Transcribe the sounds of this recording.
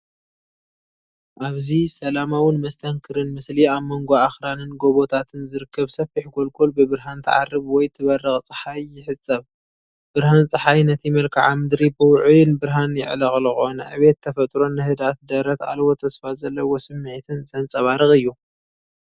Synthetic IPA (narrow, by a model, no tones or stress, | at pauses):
ʔaβzisɐlamawɪnmɐst̪ʰɐŋkʰɨɾɨnmɨsliaβmoŋɡoaxɾanɨnɡo̞βo̞t̪ʰat̪ʰɨnzɨɾɨkːɐβsɐfiħɡo̞lkʰolbɨbɨɾɦant̪ʰɨ̰ʕa̰rːɨβwɔjt̪ʰɨβɐrːɨxʼt͡sʼɨħajːɪħɨt͡sʼːɐβ | b̥ɨɾɦant͡sʼɨħajnɐt̪ʰimɐlkʰa̰ʕamɨd̪ɾibɨwʊʕujɨnbɨɾɦanjɪ̰ʕlɐχʼlɨxʼonʕɨ̰βe̞t̪ʰːɐfɐt̪ʼɾo̞nːɨhɨd̪at̪̚d̪ɐɾɐt̪a̰lβot̪ʰɐsfazɐlːɐwosɨmːɨʕt̪ʰɨnzɐnt͡sʼɐβaɾɨxʼɨjːu